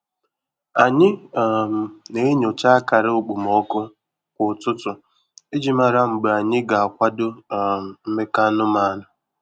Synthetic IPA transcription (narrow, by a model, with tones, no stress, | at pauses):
a˨ɲɪ˦˨ | ne˦e˦ɲo˨t͡ʃa˦a˦ka˨ɾɪ˦ʊ˨k͡pu˨m˨ɔ˦kʊ˦ | kʷʊ˨tʊ˦tʊ˨ | e˦d͡ʒi˨ma˨ɾa˦ŋ͡m̩˨ɡ͡ba˨ɲɪ˦ɡa˨a˨kʷa˦dʊ˦˨ | m̩˦me˦ka˦nʊ˦ma˦nʊ˨